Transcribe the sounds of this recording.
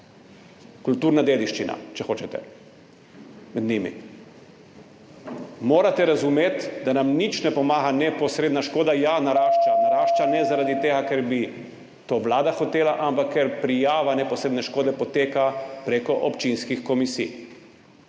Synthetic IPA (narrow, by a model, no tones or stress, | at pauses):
kult̪uːɾnad̪eːd̪iʃt͡ʃina̰t͡ʃɛxoːt͡ʃɛt̪ɛ̰ | mɛd̪nimḭ | moːɾat̪ɛɾazumeːt̪d̪anamnit͡ʃnɛpɔmaːɣanɛpɔsɾeːd̪naʃkoːd̪ajanaɾaːʃt͡ʃanaɾaːʃt͡ʃanɛzaɾad̪it̪eːɡakɛɾbi | t̪oːʋlaːd̪axɔt̪eːlaʔampakʰːɛɾpɾijaːʋanɛpɔsɾed̪nɛʃkoːd̪ɛpɔt̪eːkapɾeːkɔʔɔpt͡ʃinskixkɔmisḭj